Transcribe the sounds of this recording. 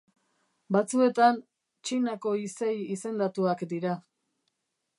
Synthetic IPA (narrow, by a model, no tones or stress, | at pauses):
bat͡sue̞t̪an | t͡ʃinako̞isejise̞nd̪at̪uakd̪iɾa